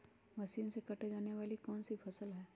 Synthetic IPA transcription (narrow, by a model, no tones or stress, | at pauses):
mɐsiːnsekɐʈed͡ʒaːneʋaːlikɔːnsipʰɐsəlɦɛː